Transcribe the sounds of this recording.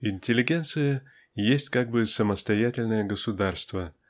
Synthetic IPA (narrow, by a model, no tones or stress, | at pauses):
inʲtʲɪlʲɪɡʲent̪sɨjə | jesʲtʲkaɡ̚bɨsəməst̪ɐjatʲɪlʲnəjəɡəsud̪arst̪və